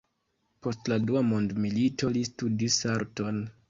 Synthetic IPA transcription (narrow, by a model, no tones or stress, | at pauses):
po̞stladuamondmilito̞listudisaɾto̞n